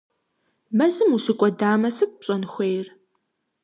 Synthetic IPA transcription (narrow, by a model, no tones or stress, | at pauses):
mɐzɨmusɨkʷʼɔdaːmɐsɨt̚ʼpɕʼɐnxʷejr